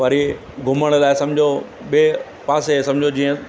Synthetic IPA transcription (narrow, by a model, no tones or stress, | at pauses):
ʋaɾi | ɡʱʊməɽ̃laːesɐ̃md͡ʑʱo | ɓe | paːsesɐ̃md͡ʑʱod͡ʑiːə̃